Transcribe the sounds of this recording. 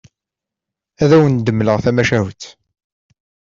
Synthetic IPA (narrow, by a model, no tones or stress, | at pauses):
æðæwənd̪əmːləʁθæmæʃæwt̪